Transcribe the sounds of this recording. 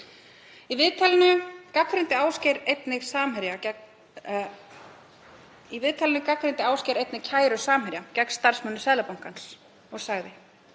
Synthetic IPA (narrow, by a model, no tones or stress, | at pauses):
ivɪðt̪ʰalɪnʏkakfɾɪnt̪ɪaːwscɛɾejt̪nɪɣsaːmhɛɾja | ivɪðt̪ʰalɪnʏkakfɾɪnt̪ɪaːwscɛɾejt̪nɪɣcʰaːjɾʏsaːmhɛɾjacɛkst̪aɾ̥smœnːʏsɛːðlapawŋ̥kans | ɔɣsaɣðɪ